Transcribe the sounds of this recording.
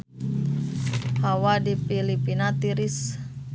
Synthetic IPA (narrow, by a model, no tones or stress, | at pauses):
hawadifilipinat̪iɾis